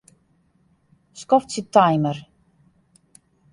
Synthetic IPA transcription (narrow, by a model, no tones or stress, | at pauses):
skɔftsitajmər